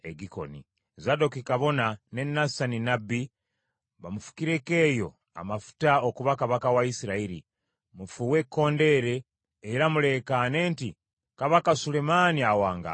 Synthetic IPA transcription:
eɡiko̞̰nḭ | zado̞kikaβo̞nane̞nːasaninabi | βamufu̥kiɾe̞ke̞ːjo̞ | a̰mafu̥taokuβakaβakawaisiɾaiɾi | mufuwe̞kːo̞ːnde̞ɾe̞ː | ɾamule̞kane̞ːnti | kaβakasule̞maniawaːŋɡa̰

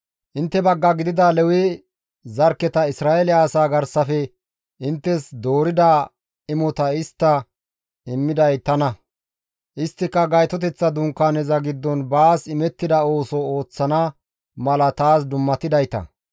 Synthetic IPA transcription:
ʔɪnt̪ːɛbɐɡːɐɡɪd̪ɪd̪ɐlɛwɪ | zɐɾkːɛt̪ɐɪsɾaːɛlɪaːsaːɡɐɾsɐfɛ | ɪnt̪ːɛsd̪o̞ːɾɪd̪ɐ | ɪmɔt̪ɐɪst̪ːɐ | ɪmːɪd̪ɐjt̪ɐnɐ | ʔɪst̪ːɪkːɐɡɐjt̪ɔt̪̬ɛt͡sːɐd̪ʊŋkːanɛzɐɡɪd̪ːɔnbaːsɪmɛt̪ːɪd̪ɐo̞ːsɔo̞ːt͡sːɐnɐ | mɐlɐt̪aːsd̪ʊmːɐt̪ɪd̪ɐjt̪ɐ̰

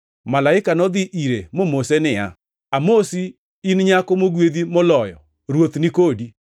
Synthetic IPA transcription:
malaɪkanɔd̪ɪʔiɾemomosenɪa̰ | amosi | inɲakomoɡweðimolɔjɔ̰ | ɾwot̪nikodi

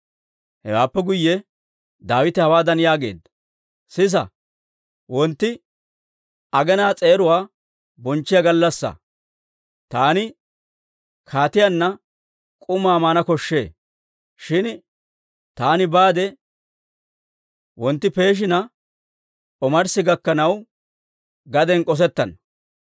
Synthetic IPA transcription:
hɛ̰waːpːɛɡʊjːɛ | d̪aːwɪt̪ɛhɐwaːd̪ɐnjaːɡe̞̰ːd̪ɐ | sɪs̬ɐ̰ | wɔnt̪ːɪ | ɐɡɛnaːt͡sʼeːɾʊwaː | bɔnt͡ʃːɪjaɡɐlːɐsːɐ̰ | t̪aːnɪ | kʰaːt̪ɪjɐnːɐ | kʼʊmaːmaːnɐkɔʃːḛː | ʃɪn | t̪aːnɪbaːd̪ɛ | wɔnt̪ːɪpe̞ːʃ̬ɪnɐ | ɔmɐɾsɪɡɐkːɐnɐw | ɡɐd̪ɛnkʼɔs̬ɛt̪ːɐn

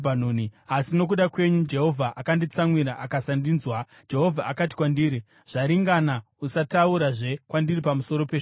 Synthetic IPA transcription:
banoːniasino̞k̬uɗakwe̞ɲud͡ʒe̞ɦo̞vʱaʔakandit͡samwiɾaʔakasandinzwa | d͡ʒe̞ɦo̞vʱaʔakat̬i̥kwandiːɾi | ʐ̥aɾiŋɡana | usatauɾaʐe̞kwandiripamuso̞ɾope

